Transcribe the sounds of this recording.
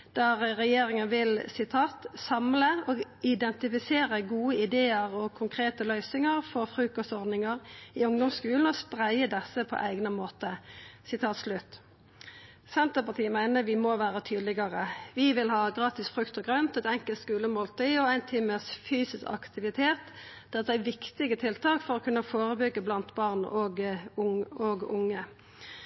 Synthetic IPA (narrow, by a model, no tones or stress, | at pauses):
d̪̥ɑʁɛjeːʁɪŋənʋɪlsɪt̪ʰɑːt̪sɑmləɔɡɪd̪ɛnt̪ɪfɪseːʁəɡuːəɪd̪eːəʁɔkʰʊŋkʰɾeːt̪əlœʏsɪŋəʁfɔʁfɾʉːkɔsɔʁd̪nɪŋəʁɪʊŋd̪ɔmskʉːln̩ɔspʁæɪəd̪ɛsːəpʰɔ̰ʔæɪɡnəmoːt̪əsɪt̪ʰɑːt̪slʉt̪ː | sɛnt̪əpɑʁt̪ʰiːəmæɪnəʁʋɪmɔʋæːʁət̪ʰyːd̪lɪɡəʁəʋɪʋɪlhɑːɡʁɑːt̪ɪsfʁʉkt̪ɔɡʁœnt̪ɛt̪ɛŋkəlt̪skʉːləmoːlt̪ʰʏʏɔæɪnt̪ʰiːməsfyːsɪskɑ̰kt̪ɪʋɪt̪ʰeːt̪d̪̥ɛʁd̪ɛæʋɪkt̪ɪɡət̪ʰɪlt̪ʰɑːkfɔʁɔkʰʉnːəfoːʁəbʏɡːəblɑnt̪bɑːʁnɔɡʊɔɡʊŋːə